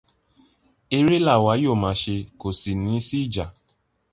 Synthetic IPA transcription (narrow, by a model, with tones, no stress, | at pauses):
e˧ɾe˦la˦˨wa˨˦jo˦˨mã˨˦ʃe˧ko˨si˨nĩ˨˦si˦i˦˨d͡ʒa˨